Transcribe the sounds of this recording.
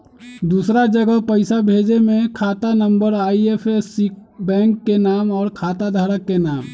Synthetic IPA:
d̪uːsɾad͡ʒəɡəɦpəɪsabʱeːd͡ʒemẽkʰaːt̪anə̃mbəɾaːiepʰesik̚bɛ̃ːŋkːenaːmɔːɾkʰaːt̪ad̪ʱaːɾəkːenaːm

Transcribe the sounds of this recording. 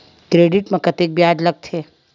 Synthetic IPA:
kɾeːɖɪʈmẽkɐt̪ek̚bjaːd͡ʒlɐɡ̚t̪ʰeː

